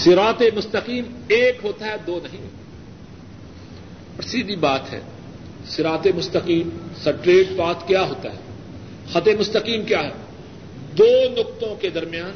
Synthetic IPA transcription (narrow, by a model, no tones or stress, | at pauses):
sɪɾaːt̪emʊst̪əqiːmeːkɦoːt̪aɦɛd̪oːnɐɦĩɦ | pɐɾsiːd̪ibaːt̪ɦɛ̰ː | sɪɾaːt̪emʊst̪əqiːmsɐʈɾeːʈbaːt̪kjaːɦoːt̪a̰ɦɛː | xɐt̪emʊst̪əqiːmkjaːɦɛː | d̪oːnʊk̚t̪õked̪ɐɾmɪjaːn